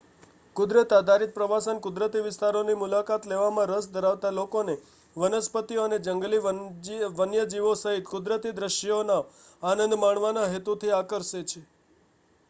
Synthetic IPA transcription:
kʊd̪ɾət̪ad̪ʱaɾit̪̚pɾəʋasənkʊd̪ɾət̪iʋɪst̪aɾonimulakat̪leʋamãɾəsd̪ʱəɾaʋt̪alokone | ʋənəspət̪iəned͡ʒəŋɡliʋəʋənjəd͡ʒiʋosəɦit̪kʊd̪ɾət̪id̪ɾəʃonaː | nə̃nd̪maɳʋanaɦet̪ut̪ʰiakəɾʃet͡ʃʰe

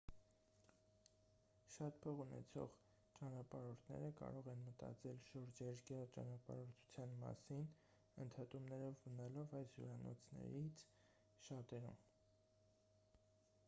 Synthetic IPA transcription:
ʃɑt̪̚pʰɔʁunɛ̰t͡sʰɔ̰ʁ | t͡ʃɑnɑpɑɾɔɾt̪ʰnɛ̰ɾəkɑ̰ɾɔʁɛnmət̪ɑ̰t͡sɛlʃɔɾd͡ʒɛɾɡjɑt͡ʃɑ̰nɑpɑ̰ɾɔɾt̪ʰu̥t͡sʰjɑnmɑ̰sin | ənt̪ʰɑt̪umnɛɾɔvːənɑlɔvɑjsjuɾɑnɔ̰t͡sʰnɛ̰ɾit͡sʰ | ʃɑt̪ɛɾṵm

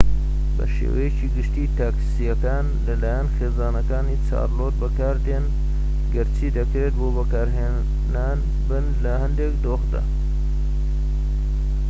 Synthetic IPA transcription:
bɐ̰ʃḛːwɐ̰jet͡ʃiːɡɨʃt̪iːt̪ʰaːksijɐkaːn | lɐlaːjɐnxeːzaːnɐkaːnit͡sʰa̰ːɾloːt̪̚bɐkaːɾd̪eːn | ɡɐɾt͡sʰiːd̪ɐkɾeːt̪̚boːbɐkaːɾɦeː | naːn | bɨnlɐhɐnd̪ekd̪oːxd̪a̰

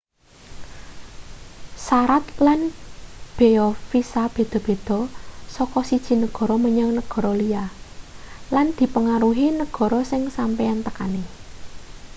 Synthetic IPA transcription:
saɾat̪lanb̥eɔfisab̥e̤d̪̥ɔ̤b̥e̤d̪̥ɔ̤sɔkɔsid̥ʒ̥i̤nəɡ̥ɔ̤ɾɔməɲəŋnəɡ̥ɔ̤ɾɔlia | land̪̥i̤pəŋaɾuɦinəɡ̥ɔ̤ɾɔsɪŋsampejant̪əka̰ne

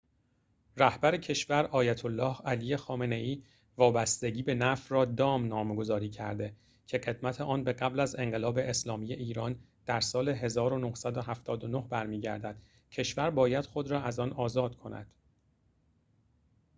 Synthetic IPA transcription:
ræhbæɾecʰe̞ʃvæɾʔɒːjæt̪ʰolːɒːhælije̞xɒːme̞ne̞ʔiː | vɒːbæst̪e̞ɟiːbe̞næfrɒːd̪ɒːmnɒːmɡo̞zɒːɾiːcʰæɾd̪e̞ | cʰe̞ɢe̞d̪mæt̪ʰe̞ʔɒːnbe̞ɢæblæze̞ŋɢe̞lɒːbe̞ʔeslɒːmiːje̞ʔiːɾɒːn | d̪̥æɾsɒːle̞ɦe̞zɒːɾo̞nohsæd̪oɦæft̪ʰɒːd̪ono̞hbæɾmiːɟæ̰ɾd̪æd̪̥ | cʰe̞ʃvæɾbɒːjæd̪̥xo̞d̪ɾɒːæzɒːnɒːzɒːd̪̥kʰo̞næ̰d̪̥

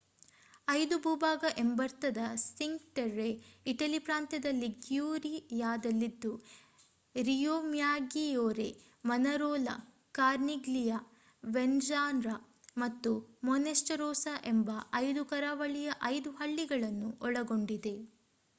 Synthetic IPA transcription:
ɐjd̪ubuːbaːɡɐʔe̞mbɐɾt̪ɐd̪ɐsiŋɡʈɐɾːeiʈɐlipɾaːnt̪jɐd̪ɐlːiɡjuːɾijaːd̪ɐlːid̪ːu | ɾijoːmjaːɡijoːɾe̞ | mɐnɐɾoːlɐ̰ | kaːɾniɡlija | ʋend͡ʒaːnɾɐ | mɐt̪ːumɔnesʈɐɾoːsɐʔe̞mbɐʔɐjd̪ukɐɾaːʋɐɭijɐʔɐjd̪uɦɐɭːiɡɐɭɐnːuʔɔɭɐɡo̞ɳɖid̪e̞

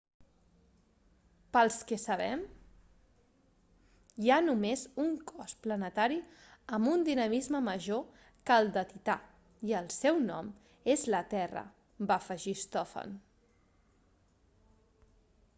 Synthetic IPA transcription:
pəlˠskəsəβɛm | janumezuŋkʰɔsplənət̪aɾiəmbund̪inəmizməməʒo | kəlˠd̪ət̪it̪a | iəlˠsɛwnɔ̰m | ezlət̪ɛrə̰ | bafəʒist̪ɔfə̰n

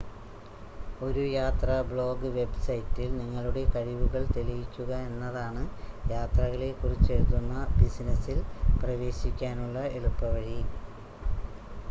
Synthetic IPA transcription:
o̞ɾujaːt̪rɐbɭo̞ːɡɨʋe̞bsɐjtːilniŋːɐɭuɽe̞kɐɻiʋuɣɐɭt̪elijikʲːuɣɐe̞nːɐðaːɳɨjaːt̪rɐɣɐɭe̞kːurit͡ɕːeɻt̪ːunːɐbisnɐsilprɐʋe̞ːɕikʲːaːnuɭːɐeɻupːɐʋɐɻi

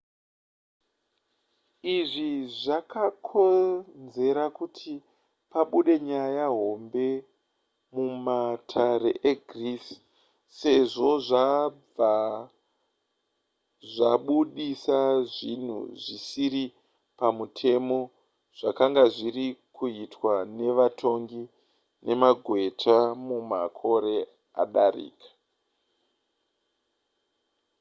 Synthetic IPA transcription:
iʐiʐakakʰo̞nze̞ɾakutʰi | paɓuɗe̞ɲajaɦo̞mbe̞ | mumatʰaɾe̞̰ʔeɡʱris | se̞ʐo̞ʐab͡va | ʐaɓuɗisaʐin̤ṵʐisiɾi | pamutʰe̞mo̞ | ʐ̥akaŋɡaʐirikuitwane̞ʋatʰo̞ŋɡi | ne̞maɡʱwe̞tʰamumakʰo̞ɾe̞ | a̰ɗarḭːkḁ

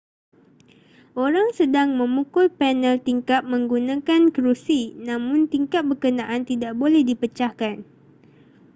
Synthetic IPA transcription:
ʔoɾaŋsədaŋmə̃mukʊlpɛnəlt̪iŋkat̪̚mə̃ŋɡunãkankɾusinãmʊ̃nt̪iŋkap̚bəkənãʔant̪idaʔbolɛhdipət͡ʃahkan

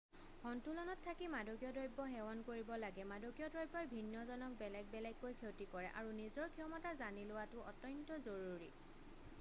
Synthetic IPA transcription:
hɔntulɔnɔtʰːakimadɔɡijɔdɔjbːɔɦxɛwɔnkoɹibɔlaɡɛmadoɡijɔdɹɔjbɔjbʱinːɔzɔnɔk̚bɛlɛɡ̚bɛlɛɡːojkʰewtikɔɹɛ̰ʔa̰ɹunizɔɹkʰiɔmatazanilʊwatʊʔɔ̰tɔntɔzoɹuɹḭ

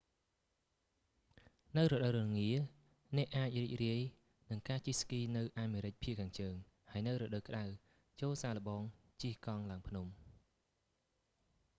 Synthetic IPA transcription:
nɨwrɔɗəwɾʊŋiə | nɛ̆əʔaːc̚riːc̚riəj | nɨŋkaːt͡ɕihskiːnɨwʔaːmeːɾɨc̚pʰiəʔkʰːaːŋt͡ɕəːŋ | haəjnɨwrɔːɗəwkə̆ɗaw | t͡ɕoːlsaːlə̆ɓɑːŋ | t͡ɕiəhkɑŋlaəŋpʰnum

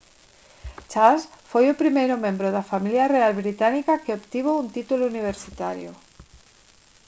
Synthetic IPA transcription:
t͡ʃasfojopɾimejɾomẽmbɾoðafamiljarealβɾit̪anikakeopt̪iβ̞ount̪it̪ulouniβ̞eɾsit̪aɾjo̰

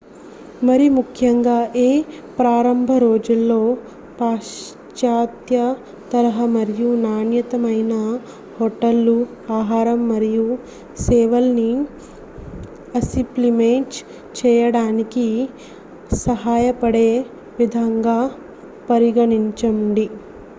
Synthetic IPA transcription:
mɐɾiumukʰjɐŋɡaːʔeː | pɾaːɾɐmbʱɐɾo̞ːd͡ʒulːo̞ː | paː | t͡ʃaːt̪jɐ | t̪ɐɾɐɦɐmɐɾijunaːnjɐt̪ɐmɐjnɐ | hɔʈːɐlːu | aːɦaːɾɐmːɐɾiju | sɛːʋɐlni | ɐsiplimeːʈ | t͡ʃɛːjɐɽaːniki | sɐɦaːjɐpɐɽeː | ʋid̪ʱaːŋɡaː | pɐɾiɡɐɳiɲt͡ʃɐmɳɖi

